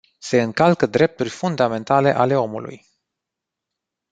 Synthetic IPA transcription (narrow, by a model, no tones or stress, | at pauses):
se̞ɨŋkalkəd̪ɾe̞p̚t̪urʲfund̪ame̞nt̪ale̞̰ʔale̞o̞mṵlṵj